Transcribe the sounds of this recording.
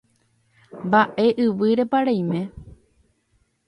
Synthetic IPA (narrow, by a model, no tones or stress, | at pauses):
mbaʔe̞ʔɨʋɨɾe̞paɾaj̃mẽ̞